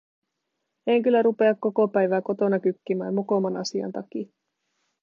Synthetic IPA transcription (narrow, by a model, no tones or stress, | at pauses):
eŋkylːæɾupe̞ɑkkːo̞ko̞pæjʋæːko̞t̪o̞nɑk̟ykːimæ̰ːmmukomɑnɑsiɑ̰nt̪ɑki